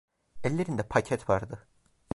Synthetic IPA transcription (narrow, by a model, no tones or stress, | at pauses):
ɛlʲːe̞ɾind̪ɛpʰacʰɛt̪vaɾd̪ɯ